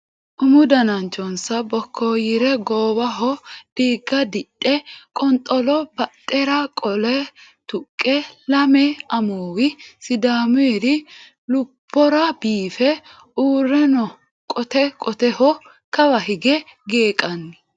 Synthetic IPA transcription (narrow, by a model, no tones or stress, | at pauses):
ʔʊmʊd̪ɐnɐnt͡ʃːɔnsɐbɔkʰːoːjɪɾɛɡoːwɐɦɔd̥iːɡːɐd̪ɪɗʼːɛkʼɔnt̪ʼːɔlɔbɐt̪ʼːɛɾɐkʼɔlɛ | t̪ʊkʼːɛlɐmɛɐmoːwɪsɪd̪aːmʊɛɾɪ | lʊbːɔɾɐbiːfɛ | uːrːɛnɔ | kʼɔt̪ɛkʼɔt̪ɛhɔ | kɐbɐhɪɡɛɡeːkʼɐnːɪ